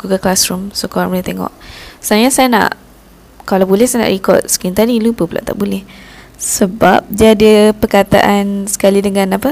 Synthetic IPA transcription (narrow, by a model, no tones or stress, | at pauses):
ɡ̥uɡəlklasɾumsokɔɾanbulɛht̪eŋɔ̰ʔsajasajana̰ʔ | kalawbulɛhsajana̰ʔrikɔ̰t̪̚sə̥kiŋt̪adilupəpəla̰ʔt̪a̰ʔbulɛh | səba̰p̚d͡ʒadiəpərkat̪a̰ʔansə̥kalidəŋãnapə